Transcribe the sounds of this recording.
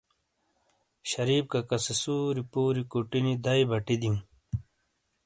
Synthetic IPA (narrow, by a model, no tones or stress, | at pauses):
ɕɐɾiːb̚kakɐsesuːɾipuːɾikuʈinid̪ɐjbɐʈid̪iŋ